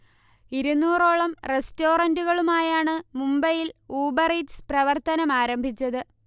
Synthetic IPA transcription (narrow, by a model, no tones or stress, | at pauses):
iɾunːuːroːɭɐmre̞sto̞ːrɐnduɣɐɭumaːjaːɳɨmumbɐjiluːbɐridsprɐʋɐrt̪ɐnɐmaːɾɐmbʱit͡ɕːɐðɨ